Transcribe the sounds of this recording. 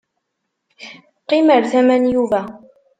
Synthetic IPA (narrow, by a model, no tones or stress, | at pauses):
qːiməɾθæmænjuvæ